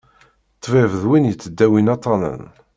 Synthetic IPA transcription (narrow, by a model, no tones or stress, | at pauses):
t̪ˤːvævəðwinjət͡sːəd̪ːæwinɑt̪ˤɑnə̰n